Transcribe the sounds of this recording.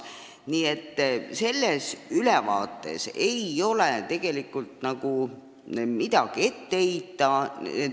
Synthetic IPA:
niːet̪ːse̞lːesylɛvɑ̰ːt̪ːˑe̞̰se̞jo̞let̪e̞ɡ̥e̞likːˑult̪nɑɡ̥u | mid̪̥ɑɡ̥ie̞t̪ːe̞eit̪ːˑɑe

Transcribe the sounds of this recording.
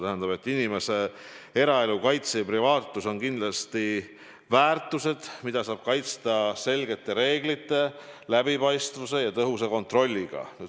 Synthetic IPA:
t̪æɦænd̪ɑbe̞t̪ːˑinime̞se̞e̞ɾɑe̞lukɑjt̪sejɑpɾivɑːt̪ːˑuso̞nkind̪̥lɑst̪i | væːrt̪ːˑuse̞d̪̥mid̪̥ɑsɑːb̥̚kɑjt̪st̪ɑse̞lɡe̞t̪ːˑe̞ɾe̞ːɡ̥lit̪ːˑe̞læbipɑjst̪vuse̞jɑt̪ɤɦuseko̞nt̪ˑro̞lʲːiɡ̥ɑ̰nyː

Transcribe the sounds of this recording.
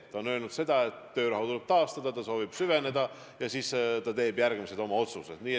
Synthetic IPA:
t̪ɑonø̞lnud̪̥se̞d̪̥ɑe̞t̪ːø̞ːɾɑɦut̪ulɛb̥̚t̪ɑːst̪ɑd̪ɑt̪ɑso̞ːvib̥syve̞ne̞d̪̥ɑ | jɑsiːst̪ɑt̪e̞ːb̥jærɡ̥mise̞d̪o̞mɑo̞t̪suse̞d̪̥niː

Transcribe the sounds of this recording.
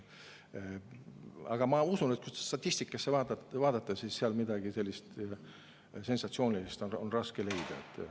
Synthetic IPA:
ɑ̰ɡ̥ɑmɑusunet̪̚kust̪e̥st̪ɑt̪ʲːist̪ikːˑɑsːe̞vɑːd̪ɑvɑːd̪ɑt̪ˑːɑsisːeɑlmid̪ɑɡ̥ise̞lʲːist̪ | se̞nsɑt̪sio̞ːnʲilist̪o̞nonrɑske̞le̞jd̪̥ɑ̰et̪ːˑ

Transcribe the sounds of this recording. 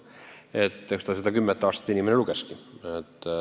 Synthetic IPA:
et̪ːˑst̪ɑsed̪ɑkymːet̪ːˑɑːst̪ɑt̪ːinimeneluɡ̥eskiet̪ː

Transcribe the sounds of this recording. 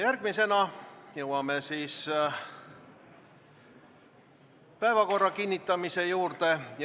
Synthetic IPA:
jærɡ̥mise̞nɑjewɑmesiːs | pæevɑko̞rːɑkinʲːit̪ːˑɑmise̞juːrt̪e̞j

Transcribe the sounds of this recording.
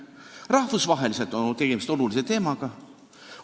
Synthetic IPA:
rɑhvusvɑɦe̞lise̞lt̪ːˑont̪e̞ɡ̥e̞mist̪o̞lulise̞t̪e̞ːmɑɡ̥ɑ

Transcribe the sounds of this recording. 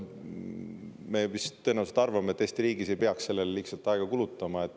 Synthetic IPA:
me̞vist̪ːɤ̞nɑvwselt̪ɑrvɑmet̪ːˑeːst̪iɾiːɡise̞jpeɑksse̞lːellihsɑlt̪ːˑɑeɡ̥ɑkulut̪ːˑɑmɑe̞t̪ːˑ

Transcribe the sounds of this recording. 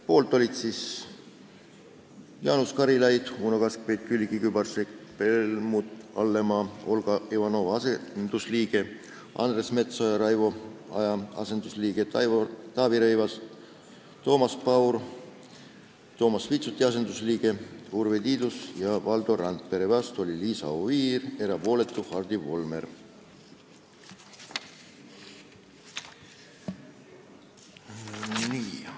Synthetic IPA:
po̞ːlt̪ˑo̞lʲit̪siːs | jɑːnuskɑɾilɑjd̪̥uːnokɑskvejt̪̚kylʲɡikybɑrsekpelmut̪ɑlːe̞mɑo̞lɡ̥ɑivɑno̞vɑsend̪̥usliːɡ̥e̞ | ɑ̰nd̪re̞sme̞t̪sojɑɾɑjvoɑjɑɑ̰se̞nd̪usliːɡ̥e̞t̪ɑt̪ɑːviɾɤjvɑs | t̪o̞ːmɑspɑwr | t̪o̞ːmɑsvit̪sut̪ʲːˑiɑs̬e̞nd̪usliːɡ̥e̞uɾvet̪iːd̪usjɑvɑld̪̥o̞ɾɑnt̪̚pe̞ɾevɑst̪o̞lʲiliːsɑ̰oviːre̞ɾɑpo̞ːle̞t̪ːˑuhɑrd̪̥ivo̞lmer | niː

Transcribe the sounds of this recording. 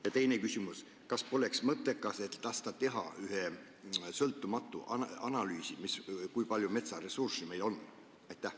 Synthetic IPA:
jɑt̪e̞jne̞kysʲimus | kɑspo̞le̞ksmɤt̪ːˑekːˑɑse̞t̪t̪ːɑst̪ɑt̪e̞ɦɑ̰yɦe | sɤlt̪ːˑumɑt̪ːˑuʔɑnɑlyːsimiskujpɑlʲjume̞t̪sɑre̞sursime̞jlo̞nː | ɑjt̪ːˑæh

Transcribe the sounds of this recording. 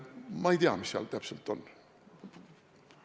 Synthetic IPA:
mɑijt̪iɑmisɑ̰lt̪æpselt̪ːon

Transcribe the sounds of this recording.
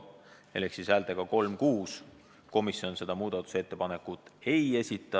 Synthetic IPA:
eleksisæːlt̪eɡ̥ɑko̞lmkuːs | ko̞misjo̞nse̞d̪̥ɑmuːd̪̥ɑt̪ːˑu̥se̞t̪ːe̞pɑne̞kːut̪ːˑe̞je̞sʲit̪ːˑɑ

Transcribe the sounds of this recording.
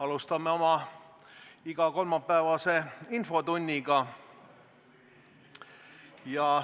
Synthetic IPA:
ɑlust̪ɑmːeo̞mɑ | iɡ̥ɑko̞lmɑpːæːvɑse̞info̞t̪unʲːiɡɑ | jɑ

